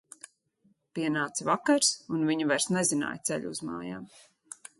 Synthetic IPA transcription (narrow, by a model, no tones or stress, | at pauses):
piɛnaːt̪svakaɾsunviɲuvaɾsnɛzina̰ːjt̪sɛ̰ʎʲuzma̰ːja̰ːm